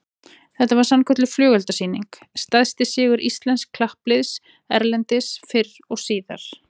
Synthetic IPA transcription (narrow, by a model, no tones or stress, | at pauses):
θɛht̪avaɾ̥sankʰœt̪lʏflœːɣɛlt̪asiːniŋk | st̪aðst̪ɪsɪːɣʏɾʔist̪lɛnskʰːlahplɪðs | ɛɾlɛnt̪ɪsfɪr | ɔɣsiːða̰ɾ̥